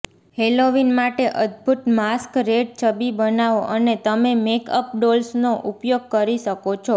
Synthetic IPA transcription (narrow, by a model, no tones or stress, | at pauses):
heloʋinmaʈeʔəd̪bʱut̪maskɾeɖ̚t͡ʃʰəbibənaʋoʔənet̪əmemekəp̚ɖolsnoʔupjoɡ̚kəɾiʃəkot͡ʃʰo